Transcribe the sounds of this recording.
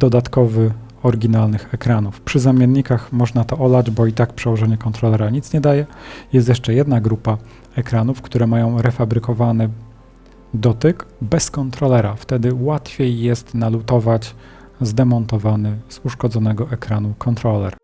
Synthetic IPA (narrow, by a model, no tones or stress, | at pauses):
d̪̥ɔd̪at̪kɔvɘ | ɔɾɡʲinalnɘxɛkɾanufpʂɘzamʲjɛnːikaxmɔʐnat̪ɔʔɔlad͡ʑbɔit̪akpʂɛwɔʐɛɲɛkɔnt̪ɾɔlɛɾaɲit̪sɲɛd̪ajɛjɛst̪jɛʂt͡ʂɛjɛd̪naɡɾupa | ɛkɾanufkt̪uɾɛmajɔ̃w̃ɾɛfabɾɘkɔvanɘ | d̪ɔt̪ɘkbɛskɔnt̪ɾɔlɛɾaft̪ɛd̪ɘwat̪fʲjejːɛst̪nalut̪ɔvat͡ɕ | zd̪ɛmɔnt̪ɔvanɘz̥uʂkɔd̪zɔnɛɡɔʔɛkɾanukʰɔnt̪ɾɔlɛ̰ɾ